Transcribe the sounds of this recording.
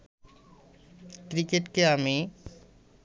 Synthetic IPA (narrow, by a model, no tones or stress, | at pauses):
kɾikeʈkeami